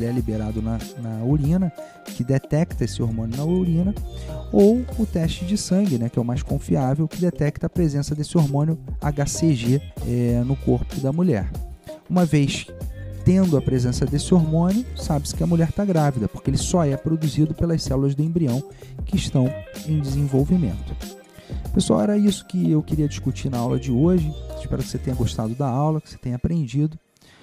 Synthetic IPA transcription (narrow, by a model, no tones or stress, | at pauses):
lɛlibeɾad̪ʊnɐnɐolĩnɐ | kɪd̪et̪ɛkt̪ɐesɪoɾmõnʊnɐolĩnɐowʊt̪ɛʃt͡ʃɪd͡ʒɪsɐ̃ŋɡɪnɛkɪɛʊmajskõfiavewkɪd̪et̪ɛk̚t̪ɐːpɾezẽsɐd̪esɪoɾmõnjʊa̰ɡaseʒiɛnʊkoɾpʊd̪ɐmuʎɛ̰ɾũmɐvejst̪ẽnd̪ʊɐpɾezẽsɐd̪esɪoɾmõnjʊsabɪskɪɐmuʎɛɾt̪aɡɾavid̪ɐpʊ̥χkeelɪsɔɛpɾod̪uzid̪ʊpelɐssɛlulɐzd̪ʊẽbɾiɐ̃w̃kɪːʃt̪ɐ̃w̃ẽj̃d͡ʒɪzẽvowvimḛ̃nt̪ʊ̥ | pesʊa̰wɛɾɐisʊ̥kɪewkɪɾiɐd͡ʒiʃkut͡ʃinɐawlɐ̰d͡ʒɪoʒɪɪʃpɛ̰ɾʊkɪ̥set̪ẽɲ̃ɐɡoʃt̪ad̪ʊd̪ɐawlɐkɪ̥se̥t̪ẽɲ̃ɐpɾẽnd͡ʒid̪ʊ